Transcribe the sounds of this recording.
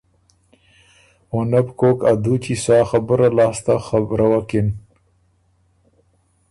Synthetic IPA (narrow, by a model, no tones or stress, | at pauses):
wonabkokad̪ut͡ʃisɑːxabəɾalɑːst̪axabɾawakɪn